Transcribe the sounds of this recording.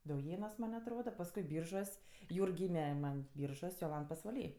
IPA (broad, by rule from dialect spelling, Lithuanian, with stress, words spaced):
dɐʊˈjeːnuɔs ˈmɐnʲ ɐtˈroːdɐ pɐsˈkʊɪ ˈbʲiːrʒuɔs ˈjuːrk ˈɡʲiːmʲɛ ˈmɐn ˈbʲiːrʒuɔsʲ joːˈlˠɐnt pɐsʋɐˈlʲiː